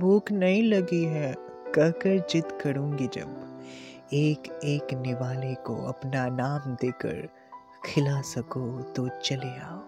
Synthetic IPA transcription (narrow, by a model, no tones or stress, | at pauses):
bʱuːknɐɦĩlɐɡiɦɛ̃ | kɐɾkəɾd͡ʒɪt̪kɐɾũːŋɡid͡ʒɐ̰b | eːkeːknɪʋaːleko̰ɐ̰pnanaːmd̪eːkə̰ɾ | kʰɪlasɐkot̪ot͡ʃɐleaːo